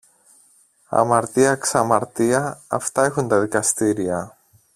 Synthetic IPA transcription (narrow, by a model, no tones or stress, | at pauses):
ɐ̰mɐɾt̪iɐksɐmɐɾt̪iɐ̰ːft̪aexunt̪ɐðikɐst̪iɾiɐ